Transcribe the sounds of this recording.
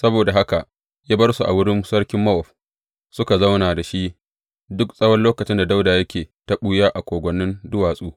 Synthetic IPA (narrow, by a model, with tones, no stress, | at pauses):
sɐ˦boː˨da˨ɦa˦ka˨ʔ | jaː˦bɐ˦rsu˨ʔa̰˨wʊ˦ɽɪ˦nsɐ˦ɽkʲɪ˦mːɐ˦ʔɔ˨ɸ | sʊ˦ka˨zɐ˦wnaː˨da˨ʃi˦ | dʊ˦ksʼɐ˦wɐ˦nloː˦kɐ˨t͡ʃɪ˦nda˨da˦wdaː˨jɐ˦kʲʰeː˨tɐ˦ɓuː˦jaː˦ʔa˨kʷoː˨ɡʷɐ˨˦nːɪ˦ndʊ˦waː˨sʼuː˦